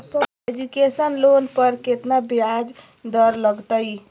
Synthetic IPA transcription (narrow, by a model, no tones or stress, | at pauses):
sə | ed͡ʒukesənlonpəɾket̪nabiad͡ʒ | d̪əɾləɡt̪əɪ